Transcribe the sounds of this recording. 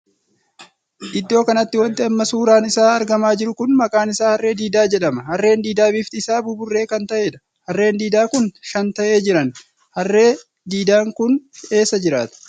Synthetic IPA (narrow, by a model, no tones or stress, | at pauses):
ʔɪd̪ːo̞ːkɐnɐt̪ːɪwɔnt̪ɛɐmːɐsuːɾaːnɪsaːɐɾɡɐmaːd͡ʒɪɾʊkʊnmɐkʼaːnɪsaːhɐrːe̞ːd̪iːd̪aːd͡ʒɛᶑɐmɐhɐrːe̞ːnd̪iːd̪aːbɪft̪ɪsaːbʊbʊrːe̞ːkɐnt̪ɐʔeːᶑɐ̥ | hɐrːe̞ːnd̪iːd̪aːkʊnʃɐnt̪ɐʔe̞ːd͡ʒɪɾɐn | hɐrːe̞ː | d̪iːd̪aːŋkʊne̞ːsɐd͡ʒɪɾaːt̪ʊ̥